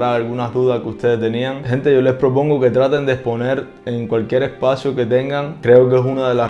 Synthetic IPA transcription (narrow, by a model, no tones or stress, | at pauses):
aalɣunazðuðaskeust̪e̞ðest̪e̞niaŋhe̞nt̪eʝo̞le̞spɾo̞po̞ŋɡo̞ke̞t̪ɾat̪e̞nd̪espo̞ne̞ɾ | eŋkwalkje̞ɾe̞spasjoke̞t̪e̞ŋɡaŋkɾe̞okesunaðe̞la